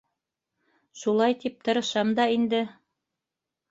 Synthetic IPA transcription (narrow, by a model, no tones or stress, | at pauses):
ʃulˠɑjt̪ip̚t̪ɤ̆ɾɤ̆ʃɑmd̪ɑind̪ɘ